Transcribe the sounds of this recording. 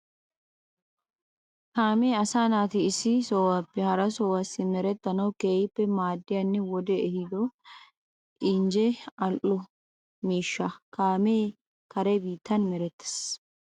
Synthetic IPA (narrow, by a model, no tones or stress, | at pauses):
kaːmeːɐsaːnaːt̪ɪːsɪsɔwapːɛhɐɾɐsɔwɐsːɪmɛɾɛt̪ːɐnɐwkeːɪpːɛmaːd̪ːɪjɐnːɛwɔd̪ɛːhɪd̪ɔ | ʔɪnd͡ʒɛɐlʔʊ | miːʃːɐkaːmeː | kɐɾɛbiːt̪ːɐnmɛɾɛt̪ːɪ̥s